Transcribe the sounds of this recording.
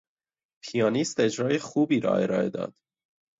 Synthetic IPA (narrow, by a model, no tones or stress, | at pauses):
pʰijɑːniːst̪e̞d͡ʒɾɒːje̞xuːbiːɾɒ̰ːe̞ɾɒːḛd̪ɒ̰ːd̪̥